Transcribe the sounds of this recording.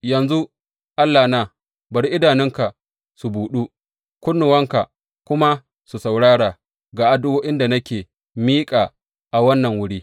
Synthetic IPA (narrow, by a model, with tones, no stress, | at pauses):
jɐ˨nzu˦ | ʔa˦lːaː˨na˨ | bɐ˨ɾi˦ʔɪ˦daː˨nɪ˦ŋka˨ | su˨buː˨ɗu˦ | kʷʊ˦nːʊ˨wɐ˦ŋka˨ | kʷʊ˦ma˦ | su˨sa˨wɽaː˦ɽaː˨ | ɡaː˨ʔa˦dʊ˦woː˦ʔɪ˦nda˨nɐ˦kʲeː˨ | miː˦kʼaː˨ | ʔa˨wɐ˦nːɐ˨ŋwʊ˦ɽiː˦